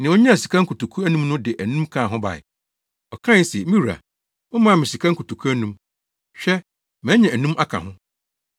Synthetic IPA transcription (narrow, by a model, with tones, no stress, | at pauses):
nɪ̃˨wo˦ɲɛ̃˦æ˨si˨kʰa˦ŋ̩˦kʰu˨tu˨kʰu˦æ˦nũ˦mnʊ̃˦dɪ˨ʔæ˨nũ˦mkʰã˦˨ɦʊ̃˦ba̰˨ɪ̰˨ | ɔ˨kʰã˦˨˦sɛ˨˦mi˦wu˨ɾa̰˨ | mʊ̃˦mã˦˨mɪ̃˨si˨kʰa˦ŋ̩˦kʰu˨tu˨kʰu˦æ˦nũ˦m | ɕᶣɛ˦ | mɛ̃˨˦ɲɛ̃˨æ˨nũ˦mʔa˦kʰã̰˨ɦʊ̃˦